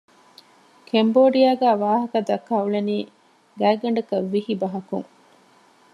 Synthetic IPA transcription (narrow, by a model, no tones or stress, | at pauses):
kʰemboːɖijaːɡæːʋaːɦɐkɐd̪ɐkːaːuɭeniː | ɡæːɡɐɳɖɐkɐʋːihibɐɦɐkṵŋ